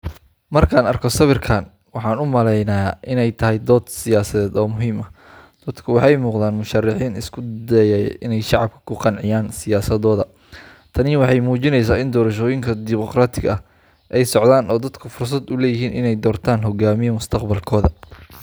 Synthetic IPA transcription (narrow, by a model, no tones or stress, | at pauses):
mɐrkʰaːnɐrkʰɔsɐβɪrkʰaːn | wɑħɑːnʊmɐlɛjnɐjaːʔɪnɛjt̪ʰɐɦɛjd̪ɔːd̪sɪjaːsɐðɛːd̪ɔːmʊɦiːmɐ | d̪̥ɐd̪kʰʊwɑħɑjmuːqðaːnmʊʃɐrːɑħiːnɪskʰʊd̪ɛjɐ̰ʔɪnɛjʃɑʕɑb̚kʰɐ̥kʰʊqɑnʕɪjaːnsɪjaːsɐðɔːðɐ | t̪ʰɐnɪwɑħɑjmuːt͡ʃɪnɛjs̬aːɪnd̪ɔːɾɐʃɔːjɪŋkʰɐd̪ɪmɔqraːt̪ʰɪɣɐɐh | ʔɛjsɔʕðaːnɔːd̪ɐd̪kʰʊfʊrs̬ɐd̪ʊlɛːjɪɦiːnɪ̰nɛjd̪ɔːrt̪ʰaːnɦɔɡaːmɪjɐmʊst̪ʰɐqbɐlkʰɔːðɐ